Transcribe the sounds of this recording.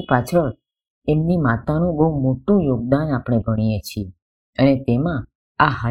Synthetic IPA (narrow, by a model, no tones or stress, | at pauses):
pat͡ʃʰəɭ | emnimat̪anũbəɦumoʈũjoɡ̚d̪anapɽ̃ebʱəɽ̃ijet͡ʃʰi | ənet̪emã | aɦa